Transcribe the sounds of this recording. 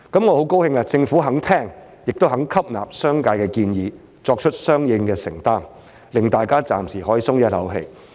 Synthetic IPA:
kɐ˨˦˥mŋɔː˨˧ho˨˥wko˥whɪ˧ŋlɐ˧t͡sɪ˧ŋfuː˨˥ɦɐ˨˥ŋt̪ʰɛː˥˩ŋ | jɪ˨k̚t̪o˥wɦɐ˨˥ŋkʰɐ˥p̚na̰ː˨p̚sœː˥ŋkaː˧jkɛː˧kiː˧njiː˨˧ | t͡sɔː˧k̚t͡ʃʰɵ˥t̚sœː˥ŋjɪ˧ŋkɛː˧sɪ̰˨˩ŋt̪aː˥˩ŋ | lɪ˨ŋt̪aː˨jkaː˥t͡sa̰ː˨msiː˨˩ɦɔː˨˥jiː˨˧sʊ˥ŋjɐ˥t̚lɐ̰˨˥wɦḛ˧j

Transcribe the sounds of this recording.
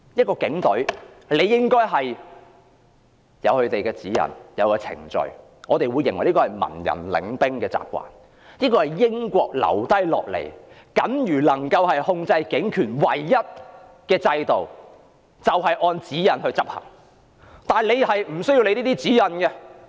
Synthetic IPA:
jɐ˥t̚kɔː˧kɪ˨˥ŋt̪ɵ˨˥ɥ | le˨˧jːɪ˥ŋkɔː˥jɦɐ˨j | jɐ˨˧whɵ˨˧ɥt̪e˨jkɛː˧t͡siː˨˥jɐ̰˨˩njɐ˨˧wkɔː˧t͡sʰɪ̰˨˩ŋt͡ʃɵ̰˨ɥ | ŋɔː˨˧t̪e˨jwuː˨˧jːɪ˨˩ŋwɐ˨˩li˥kːɔː˧ɐ˨˩jmɐ̰˨˩njɐ̰˨˩nlɪ̰˨˧ŋpɪ˥ŋkɛː˧t͡sa̰ː˧p̚kʷwa̰ː˨n | niː˥kɔː˧hɐ˨jːɪ˥ŋkʷɔː˧k̚lɐ̰˨˩wt̪ɐ˥jlɔ̰ː˨k̚lḛ˨˩j | kɐ˨˥njyː˨˩lɐ˨˩ŋkɐ˧whɐ˨jhʊ˧ŋt͡sɐ˧jkɪ˨˥ŋkʰyː˨˩nwɐ̰˨˩jːɐ˥t̚ | kɛː˧t͡sɐ˧jt̪o˨w | t͡sɐ˨wɦɐ˨jʔɔː˧nt͡siː˨˥jɐ˨nhɵ˧t͡sɐ˥p̚hɐ̰˨˩ŋ | t̪aː˨nle˨˧jhɐ˨jm̩˨˩sɵ˥ɥji˧wle˨˧jniː˥t̪iː˥t͡siː˨˥jɐ˨nkɛ˧

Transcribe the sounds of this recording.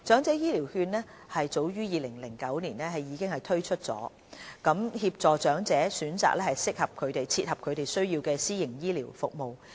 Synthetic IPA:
t͡sœː˨˥ŋt͡sɛː˨˥jiː˥liː˨˩whyː˧nnɛː˥hɐ˨jt͡so˨˥wjyː˥jiː˨lɪ˨˩ŋlɪ˨˩ŋkɐ˨˥wniː˨˩nɛː˥ɦɐ˨˩jːiː˨˧kɪ˥ŋhɐ˨jt̪ʰɵ˥ɥt͡ʃʰɵ˥t̚t͡sɔ̰ː˨˥ | kɐ˨˥mhiː˧p̚t͡sɔː˨t͡ʃœː˨˥ŋt͡sɛː˨˥syː˨˥nt͡sa̰ː˨k̚lɛː˥hɐ˨jsɪ˥k̚hɐ˨p̚kʰɵ˨˧ɥt̪e˨jt͡sʰiː˧t̚hɐ˨˩p̚kʰɵ˨˧ɥt̪e˨jsɵ˥ɥjiː˧wkɛː˧siː˥jɪ˨˩ŋjiː˥liː˨˩wfʊ˨k̚mo˨w

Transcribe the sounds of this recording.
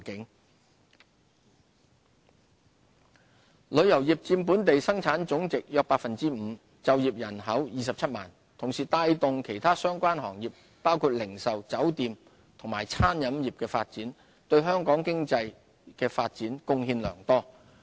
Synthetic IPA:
kɪ˨˥ŋ | lɵ˨˧˥ɥjɐ˨˩wjiː˨p̚t͡siː˧mp̬uː˨˥nt̪e˨jsɐ˥ŋt͡sʰaː˨˥nt͡sʊ˨˥ŋt͡sɪ˨k̚jœː˧k̚paː˧k̚fɐ˨nt͡siː˥m̩ː˨˧ | t͡sɐ˨wjiː˨p̚jɐ˨˩nɦɐ˨˥wjiː˨˧sɐ˨p̚t͡sʰɐ˥t̚ma̰ː˨˩n | t̪ʰʊ˨˩ŋsiː˨t̪aː˧jt̪ʊ˨ŋkʰe˨˩jt̪ʰaː˥sœː˥ŋkʷaː˥nɦɔː˨˩ŋjiː˨˩p̚ːaː˥wkʰuː˧t̚lɪ˨˩ŋsɐ˨wt͡sɐ˨˥wt̪iː˨˧m | t̪ʰʊ˨˩ŋmaː˨˩jt͡sʰaː˥njɐ˨˥mjiː˨˩p̚kɛː˧faː˧t̚t͡siː˨˥n | t̪ɵ˧ɥɦœː˥ŋkɔː˨˥ŋkɪ˥ŋt͡sɐ˧j | kɛː˧faː˧t̚t͡siː˨˥nkʊ˥ŋhiː˧nlœ̰ː˨˩ŋt̪ɔː˥

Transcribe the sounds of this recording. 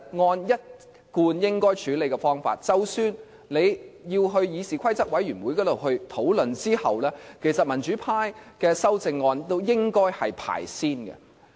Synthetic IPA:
ŋɔː˧njɐ˥t̚ | kuː˧njɪ˥ŋkɔː˥jt͡ʃʰyː˨˥le˨˧jkɛ˧fɔː˥ŋfa̰ː˧˨t̚t͡sɐ˨wsyː˨n | le˨˧jjiː˧wɦɵ˧ɥjiː˨˧siː˨kʰɐ˥jt͡sɐ˥k̚wɐ˨˥jɥyː˨˩nwuː˨˥jkɔː˨˥t̪o˨wɦɵ˧ɥt̪ʰo˨˥wlɵ˨nt͡siː˥hɐ̰˨wlɛː˥kʰe˨˩jsɐ˨t̚mɐ˨˩nt͡ʃyː˨˥pʰaː˥jkɛː˧sɐ˥wt͡sɪ˧ŋːɔː˧nt̪o˥wjɪ˥ŋkɔː˥jhɐ˨jpʰa̰ː˨˩jsiː˥nkɛ̰˧

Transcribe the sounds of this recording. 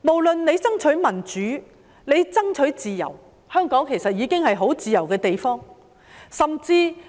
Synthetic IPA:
mo˨˩wlɵ˨nne˨˧jt͡sɐ˥ŋt͡ʃʰɵ˨˥mɐ˨˩nt͡ʃyː˨˥ | ne˨˧jt͡sɐ˥ŋt͡ʃʰɵ˨˥t͡siː˨jɐ̰˨˩w | hœː˥ŋkɔː˨˥ŋkʰe˨˩sɐ˨t̚jiː˨˧kɪ˥ŋhɐ˨jɦo˨˥wt͡siː˨jɐ˨˩wkɛː˧t̪e˨jfɔː˥ŋ | sɐ˨mt͡siː˧

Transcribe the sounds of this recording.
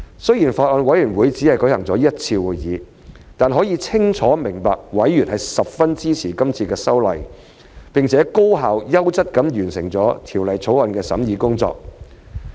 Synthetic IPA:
sɵ˥ɥjiː˨˩nfaː˧t̚ʔɔː˧nwɐ˨˥jyː˨˩wuː˨˧jt͡siː˨˥hɐ˨jkɵ˨˥hɐ˨˩ŋt͡sɔː˨˥jɐ˥t̚t͡sʰiː˧wuː˨jjḭː˨˧ | t̪aː˨nɦɔː˨˥jiː˧t͡sʰɪ˥ŋt͡ʃʰɔː˨˥mɪ˨˩ŋpaː˨k̚wɐ˨˥jːyː˨˩nɦɐ˨jsɐ˨p̚fɐ˥nt͡siː˥t͡sʰiː˨˩kɐ˥mt͡sʰiː˧kɛː˧sɐ˥wlɐ̰˨j | pɪ˨˩ŋt͡sʰɛː˨˥ko˥wɦaː˨wjɐ˥wt͡sɐ˥t̚kɐ˨˥mjyː˨˩nsɪ˨˩ŋt͡sɔː˨˥t̪ʰiː˨˩wlɐ˨jt͡sʰo˨˥wɐ˨nkɛː˧sɐ̰˨˥mjiː˨˧kʊ˥ŋt͡sɔ̰ː˧k̚

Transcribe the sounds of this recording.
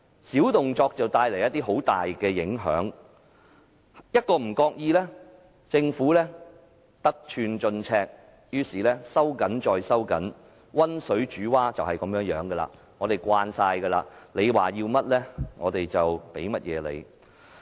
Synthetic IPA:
siː˨˥wt̪ʊ˨ŋt͡sɔː˧k̚t͡sɐ˨wt̪aː˧jle˨˩jɐ˥t̪ːi˥ɦo˨˥wt̪aː˨jkɛː˧jɪ˨˥ŋɦœ̰ː˨˥ŋ | jɐ˥t̚kɔː˧m̩˨˩kɔː˧k̚jiː˧lɛː˥ | t͡sɪ˧ŋfuː˨˥lɛː˥ | t̪ɐ˥k̚t͡ʃʰyː˧nt͡ʃɵ˧nt͡sʰɛː˧k̚ | jyː˥siː˨lɛː˥sɐ˥wkɐ˨˥nt͡ʃɔː˧jsɐ˥wkɐ̰˨˥n | wɐ˥nsɵ˨˥ɥt͡ʃyː˨˥waː˥t͡sɐ˨whɐ˨jkɐ˨˥mjœː˨˥ŋjœː˨˥ŋɡə˧la̰ː˧ | ŋɔː˨˧ɾe˨jkʷaː˧nsaː˧jɡəː˧la̰ː˧le˨˧jwaː˨jiː˧wmɐ˥t̚lɛː˥ŋɔː˨˧t̪e˨jt͡sɐ˨wpe˨˥jmɐ˥t̚jɛ̰ː˨˧lḛ˨˧j

